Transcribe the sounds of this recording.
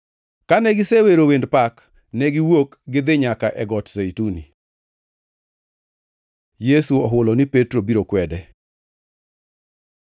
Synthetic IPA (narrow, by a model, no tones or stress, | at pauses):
kanɛɡɪseweɾowendpak | nɛɡɪwok | ɡɪd̪ɪɲakaʔɛɡɔtsejtuni | jesuɔɦʊlɔnɪpetɾobiɾokwɛdɛ